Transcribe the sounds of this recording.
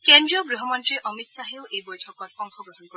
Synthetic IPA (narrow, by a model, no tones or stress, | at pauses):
kendɾiɔɡɾuɦɔmɔntɾeʔɔmit̪saɦewʔebojʈʰɔkɔɾɔŋxɔɡɾɔɦɔnkɔ